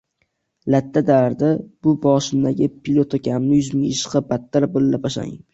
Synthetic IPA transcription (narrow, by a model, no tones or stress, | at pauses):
lat̪ʰːad̪aɾd̪ab̥ʊbɒʃɪmd̪aɡʲɪpʰilˠot̪ʰokʰʲamnɪjʊzmɪŋɪʃqɑbat̪ːaɾbɪlːapaʃa̰ŋ